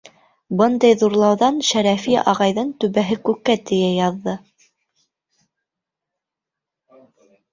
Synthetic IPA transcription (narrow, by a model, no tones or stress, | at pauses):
bɤnd̪ɑjðuɾlˠɑwðɑnʃæɾæfiʔɑ̰ʁɑjðɤnt̪ʉβæɦɘkʉkːæt̪ɘ̆jæjɑðːɤ